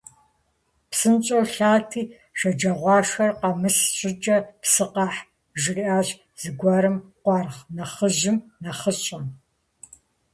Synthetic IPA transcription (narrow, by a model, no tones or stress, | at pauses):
psɨnt͡ʃʼowɬaːtʰiː | ʃɐd͡ʒɐʁʷɑːʂɐrqɐmɨsɕʼɪd͡ʒʼɐpsɨqɑːħ | ʒɪriʔaːʑ | z̥ɨɡʷɐɾɨmqʷɑːrχnɐχəʒɪmnɐχəɕʼɐn